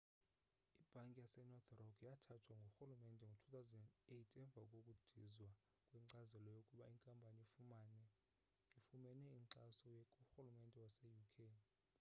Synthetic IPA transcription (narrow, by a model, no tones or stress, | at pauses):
ib̥ʱaŋkʼijasɛnɔt̪ʰrɔkʰjatʰatʰwaŋɡʱoxulumɛndʼʱɛŋɡʱotʰu̥t̪awzɛnɛdetʰɛɱb̪vʱakʼokʼud̥ʱizwa | kʼwiǀazɛlɔjokʼuɓaiŋkʼampʼaniifumanɛ | ifumɛnɛiŋǀasɔjɛkʼuxulumɛndʼʱɛwasɛjukʰen